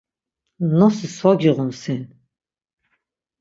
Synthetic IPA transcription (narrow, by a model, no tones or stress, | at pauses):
nɔsiswaɡiʁunsin